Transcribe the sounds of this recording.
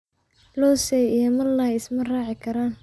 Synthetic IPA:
lɔːsɛjijɐmɐrlaːɪsmɐraːʕɪkʰɐɾaːn

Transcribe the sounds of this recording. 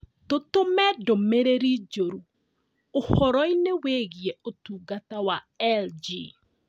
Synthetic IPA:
totomɛdomeɾeɾid͡ʒoɾu | ohɔɾɔineweɣieotuɡatawa | ɛld͡ʒi

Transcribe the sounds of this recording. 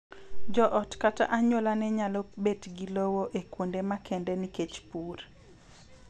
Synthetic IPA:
d͡ʒɔʔɔtkata̰ʔaɲolanɛɲalɔbetɡilowoʔekwondemakʰɛndɛniket͡ʃpur

